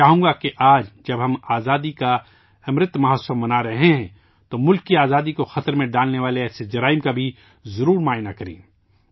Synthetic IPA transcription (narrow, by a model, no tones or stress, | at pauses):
aːɦũːŋɡakeʔaːd͡ʒd͡ʒɐbɦɐmaːzaːd̪ika | ɐmɾɪt̪mɐɦəsəmɐnaɾɐɦeɦɛ̃ | t̪omʊlkːiaːzaːd̪ikoxɐt̪ɾmẽɖaːlneʋaːleɛːsed͡ʒɐɾaːɪmkabʱi | zɐɾuːɾmaːjnakɐɾḛ̃ː